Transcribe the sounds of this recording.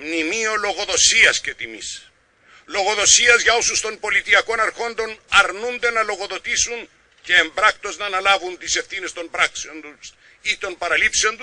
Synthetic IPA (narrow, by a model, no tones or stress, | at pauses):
mnimio̞lo̞ɣo̞ðo̞siɐscet̪imis | lo̞ɣo̞ðo̞siɐzʝɐosust̪o̞nbo̞lit̪iɐko̞nɐɾxo̞nd̪o̞nɐɾnund̪e̞nɐlo̞ɣo̞ðo̞t̪isun | ce̞ːmbɾɐkt̪o̞znɐːnɐlɐvunt̪ise̞fθine̞st̪o̞mbɾɐakseont̪us | it̪o̞nbɐɾɐlipseont̪us